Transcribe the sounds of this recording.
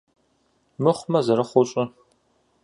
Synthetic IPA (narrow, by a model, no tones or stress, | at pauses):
mɨχʷmɐzɐɾɐχʷɔɕʼɪ